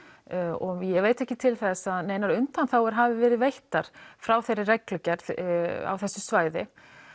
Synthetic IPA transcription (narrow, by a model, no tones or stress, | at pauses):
ɔjɛveːjt̪ɛhcɪt̪ʰɪlθɛsːaðneːjnaɾʏnt̪anθawɛɾ̥ɦaːvɪvɛːɾɪðvejht̪aɾ̥fɾawθejrːɪrɛklʏcɛɾθa̰wθɛsːʏsvaːjðɪ